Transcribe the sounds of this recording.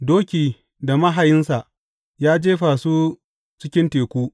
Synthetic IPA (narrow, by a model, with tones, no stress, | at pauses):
doː˦kʲiː˨ | da˨mɐ˦ɦa˨jɪ˦nsa˨ʔ | jaː˦d͡ʒeː˦ɸaː˨su˦ | t͡ʃɪ˦kʲɪ˦nteː˨kʷuː˦